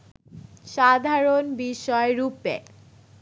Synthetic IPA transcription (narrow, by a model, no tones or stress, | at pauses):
ʃad̪ʱaɾonbiʃɔeɾupḛ